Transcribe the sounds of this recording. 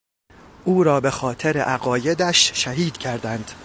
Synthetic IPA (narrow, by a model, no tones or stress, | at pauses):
ʔuːɾɒːbe̞xɒːt̪ʰeɾḛʔæɣɒːje̞d̪æʃʃæɦiːd̪̥cʰæɾd̪ænd̪̥